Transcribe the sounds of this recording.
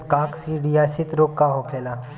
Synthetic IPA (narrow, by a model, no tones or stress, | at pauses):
kaːksiːɽijaːsɪt̪ɾoːkːaɦokʰeːla